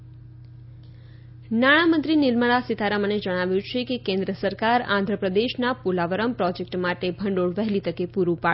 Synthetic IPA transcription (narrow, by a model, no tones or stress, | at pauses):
naɽ̃amə̃nt̪ɾinɪɾməɭasit̪aɾaməned͡ʒəɽ̃aʋjũt͡ʃʰekekẽnd̪ɾəsəɾkaɾã̰nd̪ʱɾəpɾəd̪eʃnapulaʋəɾəmpɾɔd͡ʒek̚ʈmaʈebʱəɳɖoɽʋəɦlit̪əkepuɾũpa